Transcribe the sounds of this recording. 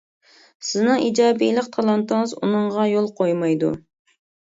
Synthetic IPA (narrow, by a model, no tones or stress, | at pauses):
sɪznɨŋid͡ʒɑːbḭlˠɪq̚t̪ʰɑlˠɑnt̪ɨŋɨzṵnɨɴʁɑjolˠqʰojmɑjd̪ṵ